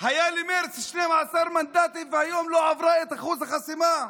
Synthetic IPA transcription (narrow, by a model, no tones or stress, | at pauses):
hajalimeɾsʃnemʕasaɾˤmand̪aːt̪ivɪhajoːmloʕavɾaet̪aχuzhaxasima